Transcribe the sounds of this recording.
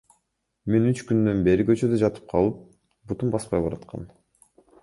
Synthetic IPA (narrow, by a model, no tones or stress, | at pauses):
me̞nyt͡ʃkynd̪ø̞nbe̞ɾikø̞t͡ʃød̪ød͡ʒɑt̪ɯ̥p̚qʰɑlˠɯp̚ | but̪umbɑspɑjbɑɾɑt̪qɑ̰n